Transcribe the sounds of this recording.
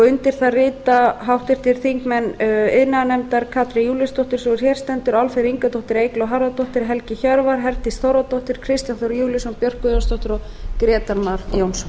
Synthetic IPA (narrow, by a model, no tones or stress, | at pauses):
ʏnt̪ɪɾ̥θarɪːt̪aɦawht̪ɪɾ̥t̪ʰɪl̥θiŋkmɛnɪðnanɛmt̪aɾkʰaːt̪ɾɪjuːlɪst̪ʰɔht̪ʏɾ̥sɔɪɾ̥çjɛɾ̥st̪ɛnt̪ʏɾalfeɾiŋkat̪ʰɔht̪ɪɾeːjklɔwɦaɾðat̪ɔht̪ɪɾɦɛlcɪçœɾvaɾ̥ɦɛɾt̪ɪsθowɾat̪ɔht̪ɪɾ̥kʰɾɪst̪janθɔɾjuːlɪsɔnpjœr̥kɔjownst̪ɔht̪ʏɾɔ | kɾɛːt̪aɾmaɾjownsɔ